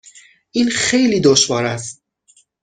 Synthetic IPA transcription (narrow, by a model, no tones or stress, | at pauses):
ʔiːnxejliːd̪oʃvɒːɾæst̪̚